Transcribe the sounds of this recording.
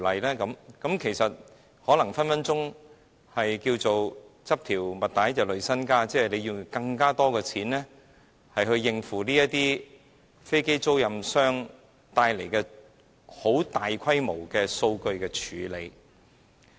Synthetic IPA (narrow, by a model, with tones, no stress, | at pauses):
lɐ˨jlɛː˥kɐ˨˧˥mkɐ˨˥mkʰe˨˩jsɐ˨t̚ | hɔː˨˥lɐ˨˩ŋfɐ˥nfɐ˥nt͡sʊ˥ŋ | hɐ˨jkiː˧wt͡so˨wt͡sɐ˥p̚t̪ʰiː˨˩wmɐ˨t̚t̪aː˨˥jt͡sɐ˨wlɵ˨˧ɥsɐ˥nkaː˥t͡sɛː˥˨˩le˨˧jiː˧wkɐ˧ŋkaː˥t̪ɔː˥kɛː˧t͡sʰiː˨˥nlɛː˥ | hɐ˨jhɵ˧ɥːɪ˨ŋfuː˨˩niː˥jɐ˥t̪iː˥ | fe˥jke˥jt͡so˥wjɐ˨msœː˥ŋ | t̪aː˧jle˨˩jkɛː˧ | ho˨˥wt̪aː˨jkʷʰɐ˥jmo˨˩wkɛː˧so˧wkɵ˧ɥkɛː˧t͡ʃʰyː˨˧˥le˨˧j